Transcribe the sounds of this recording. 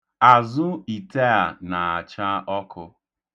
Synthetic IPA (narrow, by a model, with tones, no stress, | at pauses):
a˨zʊ˦i˨te˦a˨na˨a˨t͡ʃa˦ʔɔ˦kʊ˦